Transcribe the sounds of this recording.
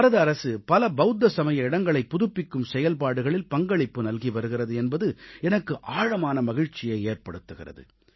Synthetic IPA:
ɐɾɐðɐɾɐsɯpɐlɐbɐʊd̪ːɐsɐmɐjɐɪɽɐŋɡɐɭɐɪpːʊðʊpːɪkːɯmsɛjɐlpaːɽɯɣɐɭɪlpɐŋɡɐɭɪpːɯnɐlɣiʋɐɾɯɣɪrɐðɯɛnbɐðɯɛnɐkːɯʔaːɻɐmaːnɐmɐɣɪɻt͡ʃːɪjɐɪeːrpɐɽɯt̪ːɯɣɪ̰rɐ̰ðɯ̰

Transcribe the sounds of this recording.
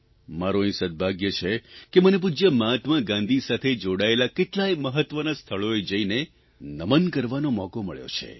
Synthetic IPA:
maɾoĩsəd̪̚bʱaɡjət͡ʃʰekemənep̬ud͡ʒjəmãt̪mãɡãnd̪ʱisat̪ʰed͡ʒoɽaelakeʈlaeməɦət̪ːʋənast̪ʰəɭoed͡ʒəine | nəmənkəɾʋanomɔkomə̰ɭjo̰t͡ʃʰḛ

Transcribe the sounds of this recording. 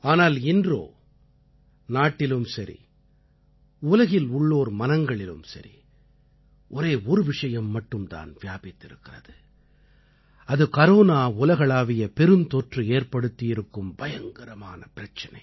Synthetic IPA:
aːnaːlɪndro̰ː | naːʈːɪlɯmsɐɾʔḭ | ʊlɐɣɪlʊɭːoːɾmɐnɐŋɡɐɭɪlɯ̰msɐ̰ɾḭ | ʔɔɾeːɔɾɯʋɪʂɐjɐmːɐʈːɯmt̪a̰ːnʋɪjaːbɪt̪ːɪɾɯkːɪrɐ̰ðɯ | ɐðɯkɐɾoːnaːʊlɐɣɐɭaːʋɪjɐpɛɾɯnt̪ɔʈrɯeːɾpɐɽɯt̪ːɪjɪɾɯkːɯmbɐjɐŋɡɐɾɐma̰ːnɐpɪɾɐt͡ʃːɐnɐ̰ɪ

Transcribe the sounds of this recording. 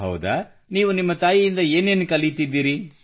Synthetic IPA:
ɦɐ̰wd̪ɐ | niːʋunimːɐt̪aːjijind̪ɐeːne̞ːnukɐlijt̪id̪ːiːɾi

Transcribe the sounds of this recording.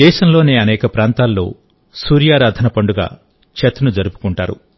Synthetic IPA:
ɛːʃɐmlo̞ːne̞ːɐnɛːkɐpɾaːnt̪aːlːo̞̰ː | suːɾjaːɾaːd̪ʱɐnɐpɐɳɖuɡa̰ː | t͡ʃet̪unud͡ʒɐɾupu̥kuɳʈaːɾṵ

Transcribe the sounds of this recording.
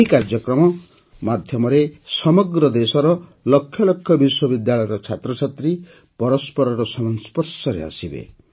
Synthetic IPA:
ikaɾd͡ʒjɔkɾɔmɔ | mad̪ʱjɔmɔɾesɔmɔɡɾɔd̪esɔɾɔlɔkʰjɔlɔkʰjɔbiswɔbid̪jaɭɔjɔɾɔt͡ʃʰat̪ɾɔt͡ʃʰat̪ɾi | pɔɾɔspɔɾɔɾɔsɔmɔnspɔɾsɔɾḛa̰sibḛ

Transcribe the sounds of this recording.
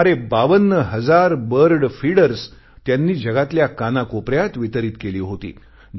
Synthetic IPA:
ɾebaʋənːəɦəd͡zaɾbəɾɖfiɽəɾs | t̪janːiːd͡ʑəɡat̪ljakanakopɾjat̪ʋit̪əɾiːt̪keliːɦot̪ḭː

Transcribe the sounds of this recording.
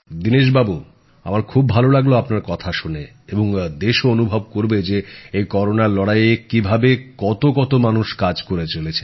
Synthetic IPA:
d̪iniʃ̬babu | a̰maɾkʰubːʱalolaɡloapnaɾkɔt̪ʰaʃune | eboŋd̪eʃoonubʱob̚koɾbed͡ʑeejkɔɾonaɾlɔɽajekibʱabekɔt̪okɔt̪omanuʃkad͡ʑkoɾet͡ɕolet͡ɕʰe

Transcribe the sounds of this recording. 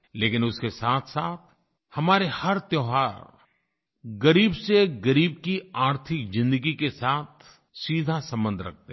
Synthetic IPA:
leːkɪnʊskesaːt̪ʰsaːt̪̚ʰ | hɐmaːɾehɐɾt̪joːɦaːɾ | ɡɐɾiːbseɡɐɾiːb̚kiaːɾt̪ʰɪkzɪ̃nd̪əɡikesaːt̪̚ʰ | siːd̪ʱasɐ̃mbə̃nd̪ʱɾɐ̰k̚ʰt̪e

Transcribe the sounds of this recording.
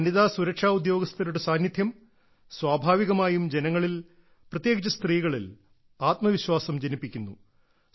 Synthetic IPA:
ɐnːiðaːsuɾɐkʂaːud̪jo̞ːɡɐst̪ʰɐɾuɽesaːnjɐd̪ʱjɐm | swaːbʱaːʋiɣɐmaːjumd͡ʑe̞nɐŋːɐɭil | prɐt̪jeːɡt͡ɕɐst̪riːɣɐɭil | aːt̪mɐʋiɕwaːsɐmd͡ʑenipːikʲːunːu

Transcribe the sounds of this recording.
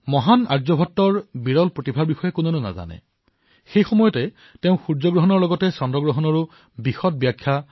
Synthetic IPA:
mɔɦanaɹzɔbʱɔtːɔɹbiɹɔlpɹotibʱaɹbixɔjɛkʊnɔnʊna̰za̰nɛ̰ | xejxɔmɔjɔtɛ | teʊ̃xuɹzɔɡɹɔɦɔnɔɹlɔɡɔtɛsɔndɔɡɹɔɦɔnɔɹu | bixɔt̚bjakʰːja

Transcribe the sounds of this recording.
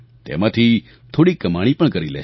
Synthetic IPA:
t̪ḛmãt̪ʰi | t̪ʰoːɽikːəmaɽ̃ipəɳkəɾilḛː

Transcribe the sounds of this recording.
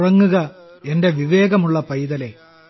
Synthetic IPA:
rɐŋːuɣɐ | e̞nde̞ʋiʋe̞ːɣɐmuɭːɐpɐjðɐle̞

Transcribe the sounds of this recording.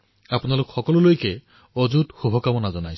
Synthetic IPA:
apɔnalokuxɔkɔlɔlojke | od͡ʒut̪xubʱɔkamɔnad͡ʒɔnajʰ

